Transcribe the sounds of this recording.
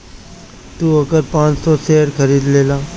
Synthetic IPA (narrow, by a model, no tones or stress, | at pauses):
t̪uːəɡəɾpãːt͡ʃsɔːseːɽkʰəɾiːd̪leːlãː